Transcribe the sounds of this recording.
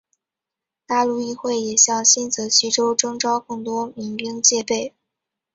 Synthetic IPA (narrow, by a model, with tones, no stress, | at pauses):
t̪a˥˧lu˥˧i˥˧xwe˥˩ɪjɛ˨˩ɕjɑ˥˩ŋɕi˥nt͡sɤ˧˥ɕi˥ʈ͡ʂo˥ʊʈ͡ʂɤ˥ŋʈ͡ʂɑ˥ʊkɤ˥˩ŋt̪wɔ˥mi˧˥ŋpi˥ŋt͡ɕjɛ˥˧pe˥˩ɪ